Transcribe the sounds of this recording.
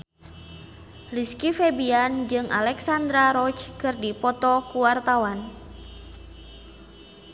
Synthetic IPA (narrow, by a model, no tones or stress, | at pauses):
riskifebiand͡ʒɨŋʔa̰lɛksand̪ɾaɾɔt͡ʃkɨrdipɔt̪ɔkuwart̪awan